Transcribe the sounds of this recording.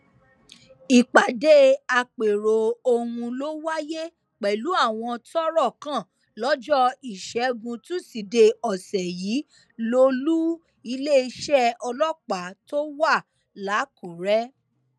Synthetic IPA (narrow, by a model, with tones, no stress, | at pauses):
i˨k͡pa˨de˦a˧k͡pe˨ɾo˨o˧ũ˧lo˦wa˦je˦ | k͡pɛ˨lu˨˦a˦˨w̃ɔ̃˧tɔ˦ɾɔ˦˨kã˦˨ | lɔ˦d͡ʒɔ˦i˨ʃɛ˨˦ɡũ˧tũ˦si˨de˧ɔ˨sɛ˨jiː˨˦ | lo˧˦lu˦ | i˧˦le˦i˧ʃɛ˦ɔ˧lɔ˦˨k͡pa˨˦to˦wa˦˨ | la˨˦ku˨ɾɛ˦